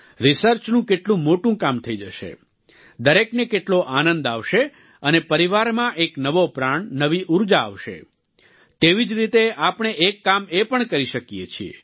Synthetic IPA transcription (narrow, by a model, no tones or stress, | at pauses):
ɾisəɾt͡ʃnũkeʈlũmoʈũkamt̪ʰəid͡ʒəʃḛ | d̪əɾeknekeʈloʔanənd̪aʋʃe | ənepəɾiʋaɾmãʔeknəʋopɾaɳnəʋiʔuɾd͡ʒa̰ːʋʃḛ | t̪eʋid͡ʒɾit̪eapɳ̃eʔekːamepəɳkəɾiʃəkjḛt͡ʃʰiḛ